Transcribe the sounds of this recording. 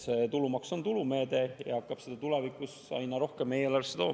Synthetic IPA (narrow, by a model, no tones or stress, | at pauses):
se̞t̪ulumɑkso̞nt̪ulume̞ːd̪̥e̞jɑ̰hɑkːˑɑb̥se̞d̪ɑt̪ulevikːˑusɑ̰jnɑɾo̞hkemːejelɑrsːet̪o̞ːm